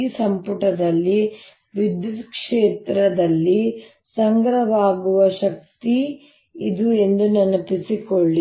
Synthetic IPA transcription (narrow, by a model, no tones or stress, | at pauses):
sɐmpuʈɐd̪ɐlːi | ʋid̪jud̪kʂeːt̪ɾɐd̪ɐlːi | sɐŋɡɾɐʋaːɡuʋɐʃɐk̚t̪i | id̪ue̞nd̪unɐnɐpisikoɭːi